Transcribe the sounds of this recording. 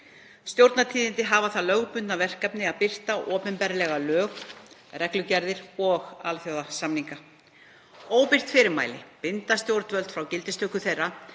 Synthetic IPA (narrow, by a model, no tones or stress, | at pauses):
st̪jowɾt̪nat̪ʰiːðɪnt̪ɪɦaːvaθalœɣpʏnt̪navɛr̥kapnɪaðpɪr̥t̪aʔɔːpʏnpɛɾlɛɣalœːɣrɛklʏcɛɾðɪɾɔɣalθjowðasamniŋka | oːwpɪr̥t̪fɪːɾɪɾma̰ːjlɪpɪnt̪ast̪jowɾt̪vœlt̪fɾawcɪlt̪ɪst̪ʏhkʏθejrːa